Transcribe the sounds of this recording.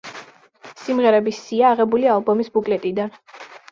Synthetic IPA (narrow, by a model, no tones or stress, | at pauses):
simʁɛɾɛbisiaːʁɛbulialˠbɔmisbukʼlɛt̪ʼid̪an